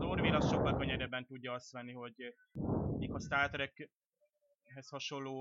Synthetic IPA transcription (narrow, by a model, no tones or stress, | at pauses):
zorvinɒsʃo̞kːɒlkøɲɛɾɛbːɛnt̪uɟːɒɒst̪ʋɛnːiɦo̞ɟ | iːkɒst̪aːrt̪ɾɛk | ɦɛshɒʃo̞lːoː